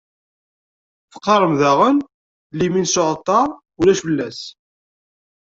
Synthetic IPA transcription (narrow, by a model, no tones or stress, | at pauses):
fə̥qːɑɾˤəmðæʁən | liminsoʕt̪ˤːɑ | ulæʃfəlːæs